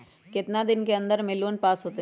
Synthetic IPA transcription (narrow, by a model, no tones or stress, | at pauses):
kɪt̪nad̪ɪnkeɐ̃nd̪əɾmɪloːnpaːsɦoːt̪e